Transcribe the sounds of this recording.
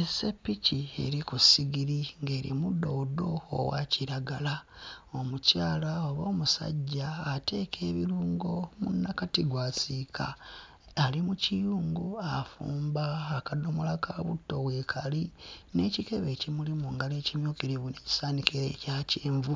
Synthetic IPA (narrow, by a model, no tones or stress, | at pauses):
esepːicie̞̰ɾikusiɡiɾiŋɡe̞ːɾḭmudo̞do̞̰ːwa̰ciɾaɡalao̞mucaːlaoβo̞ːmusa̰ɟːaːte̞ːkʰe̞ːβiɾuːŋɡo̞munːakatiɡwaːsikʰa̰ː | limucijuːŋɡuafṵːmbaːkado̞molakʰaβṵtːo̞βweːkʰaline̞cike̞βe̞ːcimulimuŋɡalecimjoːkiɾiβune̞ci̥saːnikeɾecaceːɱvu